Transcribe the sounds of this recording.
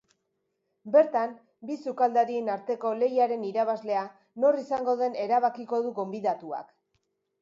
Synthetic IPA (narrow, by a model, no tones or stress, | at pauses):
be̞ɾt̪am | bisukald̪aɾienaɾt̪e̞ko̞le̞jaɾe̞niɾaβazle̞a | no̞risaŋɡo̞ðe̞ne̞ɾaβ̞akiko̞ðuɣo̞mbiðat̪ua̰k